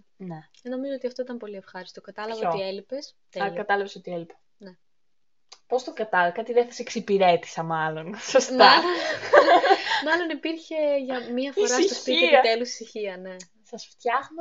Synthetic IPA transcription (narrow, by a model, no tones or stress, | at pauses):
ne̞eno̞mizoot̪iɐft̪o̞it̪ɐmpo̞liefxɐɾist̪okɐt̪ɐlɐvootielipes | ɐɐkɐt̪ɐlɐvesot̪ielipe̥ | ne | po̞st̪okɐt̪ɐlɐɐkɐt̪iðeθɐseksipiɾe̞t̪i̥sɐmɐlo̞nsost̪ɐl | mɐlo̞nipiɾçe̞ʝɐmiɐfiosɾɐit̪ospiiɐt̪elusi̥siçiɐne̞ | sɐsft̪çɐɣno